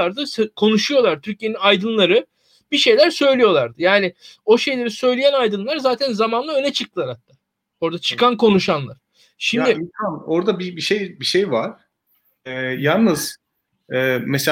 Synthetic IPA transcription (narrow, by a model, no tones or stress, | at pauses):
aɾd̪ɯskʰo̞nuʃujo̞lˠaɾt̪ʰyɾcijeninajd̪ɯnlˠaɾɯ | biʃe̞jlʲæɾsø̞jlʲijo̞lˠaɾd̪ɯjaːnɪo̞ʃe̞jlʲe̞ɾisø̞jlʲejænajd̪ɯnlˠaɾzaːt̪ʰænzamanlˠaø̞nɛt͡ʃʰɯk̚t̪ʰɯlˠaɾhat̪ːaː | o̞ɾd̪at͡ʃʰɯ̥kʰankʰo̞nuʃanlˠa̰ɾ̥ | ʃimd̪ɪinsano̞ɾd̪abibiʃejbiʃejvaɾ̥ | ɛːjalˠnɯz̥ | ɛːmese